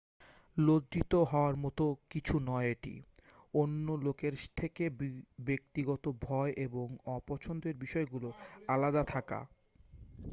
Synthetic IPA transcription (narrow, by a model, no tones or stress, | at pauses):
lod̪ɾit̪oɦɔoaɾmɔt̪okit͡ɕʰunɔeeʈḭ | onːolokeɾt̪ʰekebek̚t̪iɡɔt̪obʱɔeʔeboŋɔpɔt͡ɕʰond̪eɾbiʃɔeɡuloalad̪at̪ʰaka̰